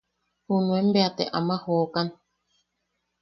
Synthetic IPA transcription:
hunwɛm̩beatɛ̰ʔa̰mahɔːkan

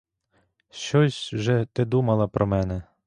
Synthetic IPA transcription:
ʃt͡ʃɔsʲwʒɛt̪ɪd̪umɐlˠɐpɾʔɔmɛnɛ

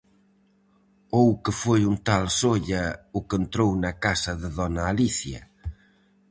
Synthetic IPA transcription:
owkəfojunt̪alsoʎɐʊkent̪ɾownɐkasɐðɪðɔnaːliθjɐ̰

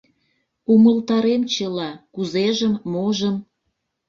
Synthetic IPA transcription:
uməlt̪ɑɾemt͡ɕəlɑkuzeʒəmːoʒəm

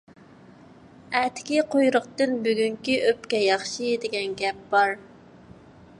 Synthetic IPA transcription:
æt̪ʰɪ̥kʲiqʰojɾʊqt̪ɨnbyɡʲyŋkʲiʔøpkʲɛjɑχʃɨd̪ɪɡʲɛnɡʲɛp̚bɑɾ

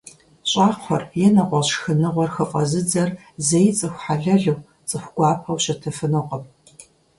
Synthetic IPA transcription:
ɕʼɑːqχʷɔrjɛnɐʁʷɔɕxɨnɨʁʷɔrxɨqʼɐzɨd͡zɐr | zejt͡sʼɨxʷħaɮɐɮɨw | t͡sʼɨxʷɡʷɑːpʰɐwɕɐtʰɐfɨnɨqəm

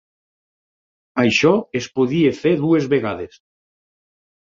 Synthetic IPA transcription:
ajʃɔespoðiefeɾðuezβeɣ̞aðes

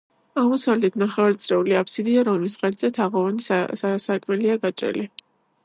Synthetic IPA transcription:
amusavlɛt̪ʰnaχɛvaɾt̪sʼɾɛuliapʰsid̪iaɾɔmlisʁɛɾt̪zɛt̪ʰaʁɔvanissasakʼmɛliaɡat͡ʃʼɾɛ̰li

